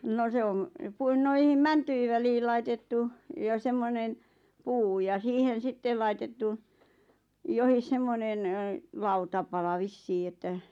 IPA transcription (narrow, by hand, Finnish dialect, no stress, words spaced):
no se om puin noihim mæntyi ʋæliː lɑitetːu jɑ semːonen puː jɑ siːhen̞ sitːel lɑitetːu johis semːonen lɑutɑpɑlɑ ʋisːiː etːæ